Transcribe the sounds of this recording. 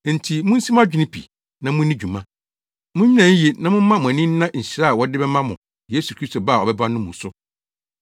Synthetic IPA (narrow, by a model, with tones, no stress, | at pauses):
n̩˨tʰi˨mʊ̃˦n̩˦si˦m˦a˦d͡ʑᶣɪ˦nɪ̃˦pʰḭ˨ | nã˨mʊ̃˦nĩ˦d͡ʑᶣu˨mã˦ | mʊ̃˦ɲĩ˦nã˨n̩˦je˨nã˨mʊ̃˦mã˦mʊ̃˨æ˨nĩ˦n˦nã˦ɲ̩˨ɕi˨ɾa˦a˨wɔ˦dɪ˦bɛ˦mã˦mʊ̃˨ | je˦su˨kʰɾi˦sto˨ba˦˨ɔ˨bɛ˦ba˦nʊ̃˦mũ˨˦sʊ˦